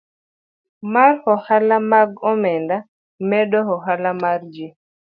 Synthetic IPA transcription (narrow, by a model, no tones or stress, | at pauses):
maɾhɔhalamaɡɔmɛnda | mɛɗɔhɔɦalamaɾd͡ʒi